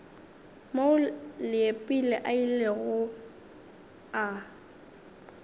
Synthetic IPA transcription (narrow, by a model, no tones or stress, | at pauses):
maʊlɪepʼilɛʔaileɣʊ | a